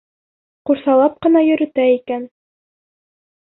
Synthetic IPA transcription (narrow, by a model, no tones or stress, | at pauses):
quɾsɑlˠɑp̚qɤ̆nɑjɵ̆ɾɘ̆t̪æikæn